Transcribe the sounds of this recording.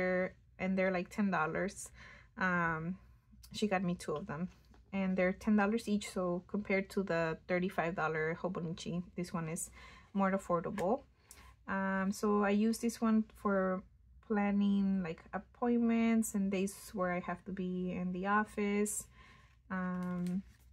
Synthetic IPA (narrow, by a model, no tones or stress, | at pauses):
ə˞ | ʔɨ̃nðə˞laɪk̚tʰɛ̃ndɔlˠə˞z̥ʔʌ̃m | ʃiɡɑt̚mitʰuʌvðə̃m | ɨ̃nðə˞tʰɛ̃ndɔlˠə˞zit͡ʃsoʊkʰɨ̃mpʰɛɹd̚tʰuðəθɜ˞ɾifaɪvdɔlˠə˞hoʊbonit͡ʃiðɪswʌ̃nɨz̥mɔɹəfɔɹɾəbl̩ˠ | ʌ̃msoʊaɪjʉzðɪswʌ̃nfə˞ | pʰl̥ænɪ̃ŋlaɪkʰəpʰɔ̃ɪ̃nmɨ̃ntsɨ̃ndeɪzwə˞aɪhæftubiɪ̃nðiɔfɪs | ʌ̃m